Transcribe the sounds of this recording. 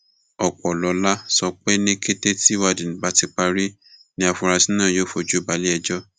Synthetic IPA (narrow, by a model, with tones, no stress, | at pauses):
ɔ˨k͡pɔ˨lɔ˨˦la˦sɔ˧k͡pɛ˦nĩ˦ke˦te˦ti˦wa˧dĩ˨ñ̩˨ba˨˧ti˧k͡pa˧ɾi˦ | nĩ˦a˧fũ˧ɾa˧si˨˦nãː˦˨joː˦fo˧d͡ʒu˦˨ba˨˦li˦ɛ˧d͡ʒɔ˦